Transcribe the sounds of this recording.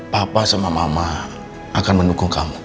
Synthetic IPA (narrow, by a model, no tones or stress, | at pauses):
papasamamama | ʔakanməndukuŋkamu